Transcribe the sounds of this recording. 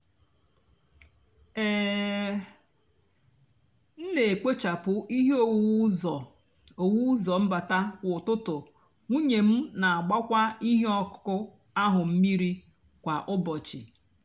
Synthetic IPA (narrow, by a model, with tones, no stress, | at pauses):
ɛː˦˨ | n̩˦ne˨e˨ke˦t͡ʃa˨pʊ˨ʔi˦ɦo˦˨wɔ˨ | o˨wu˦zɔ˨m̩˦ba˨ta˦kʷʊ˨tʊ˦tʊ˨ | ŋʷu˦ɲe˨m̩˦na˨a˨ɡ͡ba˦kʷa˦i˦ɦe˦ɔ˦kʊ̥˦kʊ˦ | a˦ɦʊ˨m̩˦mi˦ɾi˦ | kʷa˨ʔʊ˦bɔ˨t͡ʃɪ̰˨